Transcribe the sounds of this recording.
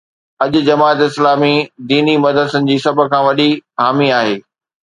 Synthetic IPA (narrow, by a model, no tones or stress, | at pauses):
ɐʄʊ̆d͡ʑɐmaːt̪ɪslaːmid̪iːnimɐd̪əd̪sənɪ̆d͡ʑiːsɐb̆kʰãːʋɐɗiɦaːmiaːɦeː